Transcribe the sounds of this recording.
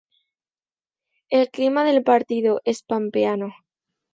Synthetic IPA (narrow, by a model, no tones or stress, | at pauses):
e̞lklimaðe̞lpaɾt̪iðoʔe̞spampeano